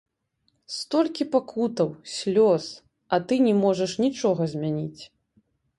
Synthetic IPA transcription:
st̪ɔlʲkʲipakʰut̪ɐwsʲlʲɔs | ɐt̪ɨnʲɛmɔʐɐʂnʲit͡ʂɔɣɐzʲmʲanʲit͡sʲ

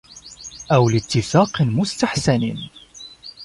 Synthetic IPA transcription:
ʔawlɪt̪ːɪfaːqmʊst̪aħsan

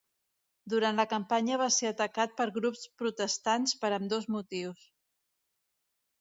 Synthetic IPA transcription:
d̪uɾant̪ləkəmpaɲəβ̞aseət̪əkat̪̚pəɾɣɾupspɾut̪əst̪anspəɾəmd̪ozmut̪iws

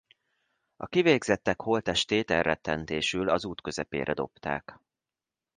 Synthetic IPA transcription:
ɒkiveːɡzɛt̪ːɛkholt̪ɛʃt̪eːt̪ɛrːɛt̪ːɛnt̪eːʃylɒzuːt̪kø̞zɛpḛːɾʔɛd̪o̞pt̪a̰ːk

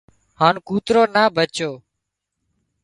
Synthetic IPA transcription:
haːnkuːt̪ɾoːnaːbʱət͡ʃoː

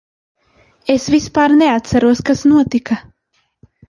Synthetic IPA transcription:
esvispaːɾneat̪saɾuɔskasnuɔt̪ika

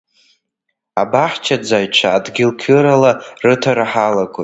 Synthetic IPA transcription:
abaħt͡ʃʰad͡zajt͡ʃʷʰaːdɡʲɪlkʲʰɨɾalarɨtʰarħalakʷʼo

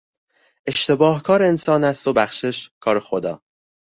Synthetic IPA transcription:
ʔe̞ʃt̪e̞bɒːhkʰɒːɾeensɒːnæst̪o̞bæχʃe̞ʃkʰɒːɾexod̪ɒ̰ː

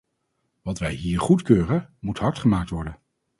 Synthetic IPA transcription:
ʋɑtʋɛjɦiːɹχutkøːrənmutɦɑɹtχəmaːk̚tʋɔɹdən

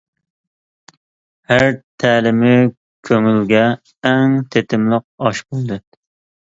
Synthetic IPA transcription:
hæɾt̪ʰɛːlɪmɪ | kʲʰøŋylɡʲɛ | ɛŋt̪ʰet̪ʰɪmlˠəq̚ɑʃbolˠd̪ɨ

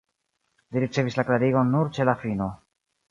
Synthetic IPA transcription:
liɾit͡se̞vislaklaɾiɡo̞nuɾt͡ʃe̞lafino̞

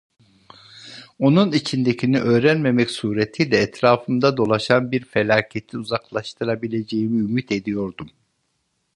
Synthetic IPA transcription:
o̞nunit͡ʃʰind̪ecʰiniʔø̞ːɾænme̞mɛcsuːɾet̪ʰijlʲɛːt̪ɾaːfɯmd̪ad̪o̞lˠaʃanbiɾfelʲaːcʰet̪ʰiuzaklˠaʃt̪ʰɯɾabilʲe̞d͡ʒe̞jimiymit̪ʰe̞d̪ijo̞ɾd̪um

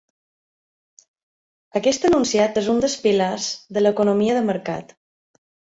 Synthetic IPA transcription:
əkɛst̪ənunsiat̪ezund̪əspilazðələkunomiəðəməɾka̰t̪

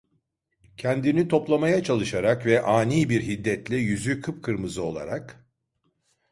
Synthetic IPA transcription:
cʰɛnd̪init̪ʰo̞plˠamajat͡ʃʰalˠɯʃaɾakvɛʔaːniːbiɾɦid̪ːɛt̪lʲɛjyzykʰɯpkʰɯɾmɯzɯo̞lˠa̰ɾak

